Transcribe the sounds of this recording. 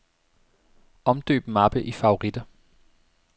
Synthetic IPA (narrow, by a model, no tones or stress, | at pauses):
ɒ̽md̥ø̰ːb̥mɑb̥əʔifɑ̈o̝ʁid̥ɐ